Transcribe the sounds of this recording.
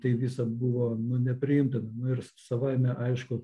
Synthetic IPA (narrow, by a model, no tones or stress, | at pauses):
t̪ɐɪʋʲiːsɐbuʋoːnʊnʲɛpʲɾʲɪɪmʲt̪ʲɪnɐnʊɪrsɐʋɐɪmʲɛʔɐɪʃkʊ